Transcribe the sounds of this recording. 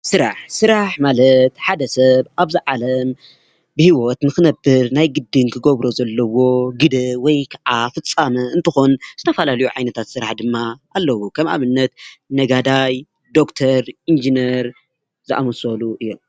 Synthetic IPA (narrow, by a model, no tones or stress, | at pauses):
sɨɾa̰ħsɨɾaħmalɐt̪ħad̪ɐsɐβʔaβziʕalɐm | bɨhiwot̪nɨxɨnɐbːɨɾnajɡɨd̪ːɨnkʰɨɡoβɾozɐlːɐwo̞ɡɨd̪ɨwɔjkʰaʕafɨt͡sʼːamɐɨnt̪ʰɨxo̞nz̥ɨt̪ʰɐfɐlalɐjuʕajnɐt̪ʰat̪sɨɾaħd̪ɨmːaʔːlːɐwukʰɐmʔa̰βɨnːɐt̪nɐɡad̪aj | d̪o̞kt̪ʰɐɾind͡ʒinɐɾ | zɨʔa̰mɐsoluʔɨjːom